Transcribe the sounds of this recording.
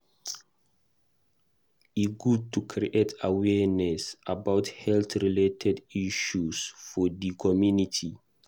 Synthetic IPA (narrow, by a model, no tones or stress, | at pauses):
iɡud̚tʰukʰɾiʔetawɛnɛsabawthɛltɹiletʰɛdiʃusfɔdikʰɔmjunitʰi